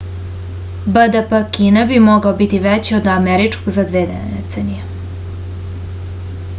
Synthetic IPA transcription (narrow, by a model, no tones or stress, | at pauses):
bəd̪əpəkiːnabimoɡaobit̪iʋet͡ɕiod̪ameɾit͡ʂkoɡzad̪ʋeːd̪ḛt̪senije